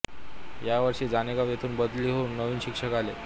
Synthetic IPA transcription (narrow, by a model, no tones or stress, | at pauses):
jaʋəɾʂiːd͡zanekaʋjet̪ʰuːnbəd̪liːɦounːəʋiːnɕikʂəkale